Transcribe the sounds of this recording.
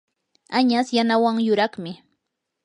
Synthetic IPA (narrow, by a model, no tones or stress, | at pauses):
aɲasjanawaŋjʊɾɑχmɪ